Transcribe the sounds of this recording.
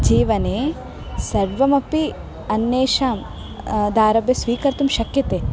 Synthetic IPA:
d͡ʒiːʋɐneː | sɐɾʋɐmɐpi | ɐnːeːʃaːm | d̪aːɾɐbjɐsʋiːkɐɾt̪umʃɐkjɐt̪eː

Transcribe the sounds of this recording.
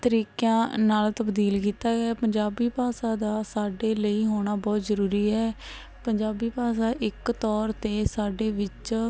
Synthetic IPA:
t̪əɾiːkãːnaːlt̪əbd̪iːlkiːt̪aːɡɛːpəɲd͡ʒaːbiːpaːsãːd̪aːsaːɖeːləiːɦoːɽ̃aːbɔːt̪zəɾuːɾiːɦɛː | pəɲd͡ʒaːbiːpaːsaːʔɪkt̪ɔːɾt̪eːsaːɖeːʋɪt͡ʃ

